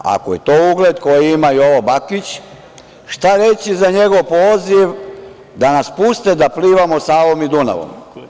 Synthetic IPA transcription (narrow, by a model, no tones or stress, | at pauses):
a̰koje̞t̪o̞ːuɡle̞d̪ko̞jiimaio̞ʋobakit͡ɕ | ʃt̪aɾe̞t͡ɕizaɲe̞ɡo̞ʋpo̞ːziʋ | d̪anaspust̪ed̪apliːʋamo̞saːʋo̞mid̪una̰ʋo̰m